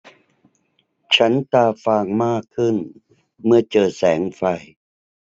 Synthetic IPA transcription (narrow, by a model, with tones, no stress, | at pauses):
t͡ɕʰa˦˥nt̪aː˧faː˧ŋmaː˥˩kʰːɯ˥˩n | mɯ˥˩ɐt͡ɕɤː˨˩sɛː˩˦ŋfa˧j